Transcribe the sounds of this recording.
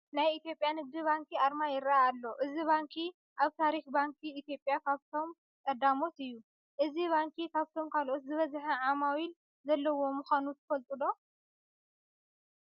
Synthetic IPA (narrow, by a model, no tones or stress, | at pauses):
najit̪jo̞pʼjanɨɡ̚d̪iβaŋkʰiaɾmajɪɾaaalːo̞ʔɨziβaŋkʰi | ʔaβt̪ʰaɾixbaŋkʰiːt̪jo̞pʼjakʰaβt̪ʰo̞m | kʼɐd̪amo̞t̪ɨjːu | ʔɨziβaŋkʰikʰaβt̪ʰo̞mkʰalʔot̪zɨβɐzħɐʕamawil | zɐlːɐwo̞mɨxanut̪ʰɐ̥fɐlt̪ʼulo̞